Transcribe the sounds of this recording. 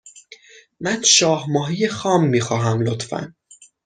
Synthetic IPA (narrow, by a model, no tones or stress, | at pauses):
mænʃɒːhmɒːɦijexɒːmːiːxɒːɦæmlot̪fæ̰n